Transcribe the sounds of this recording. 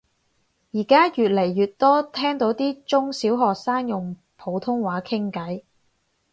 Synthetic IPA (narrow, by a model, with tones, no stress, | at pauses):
jiː˨˩kaː˥jyː˨t̚le˨˩jːyː˨t̚t̪ɔː˥t̪ʰɛː˥ŋt̪o˨˥wt̪iː˥t͡sʊ˥ŋsiː˨˥wɦɔː˨k̚saː˥ŋjʊ˨ŋ | pʰo˨˧wt̪ʰʊ˥ŋwaː˨˥kʰɪ˥ŋkɐ˨˥j